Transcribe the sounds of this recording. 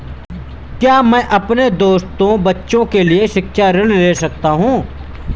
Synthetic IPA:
kjaːmɛ̃ːʔɐpned̪oːst̪õbɐtːʃõkelieʃɪkʃaɾɪɽleːsɐkt̪aɦũː

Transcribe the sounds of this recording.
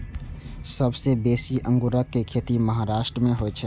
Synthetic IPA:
sɐbsebeːsiʔə̃ŋɡuɾəkːekʰeːt̪imɐɦaːɾaːʃʈɾəmẽɦoet͡ʃʰɛ

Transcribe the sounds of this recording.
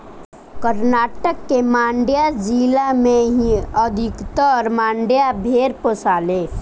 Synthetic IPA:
kəɾnaːʈəkːemãːɳɖjad͡ʒiːlamẽɦiəd̪ʱɪkt̪əɔːɾmãːɳɖjabʱeːɾposaːleː

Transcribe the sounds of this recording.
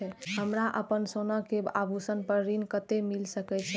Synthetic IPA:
ɛɦəmɾaʔəpənsonəkebabʱusənpəɾɾinkət̪emilsəkɛt͡ʃʰɛ

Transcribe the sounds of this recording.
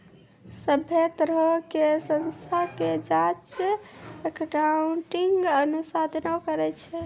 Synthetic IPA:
səbʱet̪əɾəkesənst̪ʰaked͡ʒat͡ʃ | ekʈauɳʈiŋɡənusad̪ʱnokəɾɛt͡ʃʰɛ

